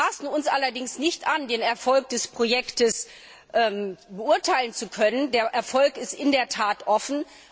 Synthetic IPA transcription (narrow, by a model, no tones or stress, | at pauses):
aːsn̩ʊnsʔalɐdɪŋsnɪçtʔandeːnɛɐfɔlk̚d̥ɛspʁ̥ojɛktəs | ʔɛːmbəʊɐtʰaɪlənt͡sukʰœnəndeːɐʔɛɐfɔlkɪstʔɪndeːɐtʰaːtʔɔfn̩